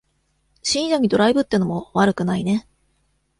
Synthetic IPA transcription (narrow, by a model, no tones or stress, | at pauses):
ɕĩɲd͡ʑaɲ̟id̪o̞ɾaibɯ̟t̪ːeɯnomoβaɾɯ̟kɯ̟naine̞